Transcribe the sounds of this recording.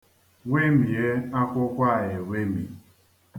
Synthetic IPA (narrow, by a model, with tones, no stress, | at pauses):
we˦mi˨e˦a˦kʷʊ˦kʷa˦˨je˨we˦mḭ˨